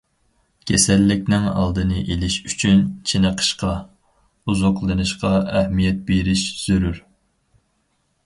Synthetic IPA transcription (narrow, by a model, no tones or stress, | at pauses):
kʲʰesɛlːɪk̚ʲnɪŋɑ̰lˠd̪ɨnɨʔelɪʃyt͡ʃʰynt͡ʃʰenəqʰə̥ʃqʰɑ | uzoqlˠɨnɨʃqɑɛhmijɛt̪̚beɾɪʃz̥øɾyɾ